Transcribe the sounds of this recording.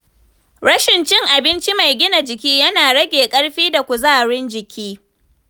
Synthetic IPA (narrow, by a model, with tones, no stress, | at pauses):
ɽɐ˦ʃɪ˨nt͡ʃɪ˦ŋʔa˨bɪ˦nt͡ʃi˦ma˨jɡʲɪ˦na˨d͡ʒɪ˨kʲiː˦jɐ˦naː˨ɽɐ˦ɡʲeː˨kʼɐ˦ɽɸiː˦da˨kʷu˨zaː˦˨ɽɪ˦nd͡ʒɪ˨kʲiː˦